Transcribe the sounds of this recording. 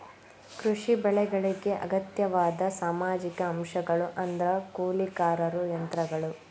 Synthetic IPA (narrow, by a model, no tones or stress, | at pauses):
kɾuʂibɛɭɛɡɐɭiɡe̞ʔɐ̰ɡɐt̪jɐʋaːd̪ɐsaːmaːd͡ʒikɐːmʃɐɡɐɭuʔɐnd̪ɾɐkuːlikaːɾɐɾujɐnt̪ɾɐɡɐɭu